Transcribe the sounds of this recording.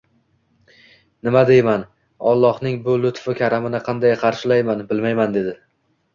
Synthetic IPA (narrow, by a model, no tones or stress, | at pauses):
nɪmad̪ejman | ɒlˠːɒhnɪŋbʊlʊt̪fɪkʲʰaɾamɪnɪqʰɑnd̪ajqʰɑɾʃɪlajmanbɪlmajmand̪e̞d̪ɪ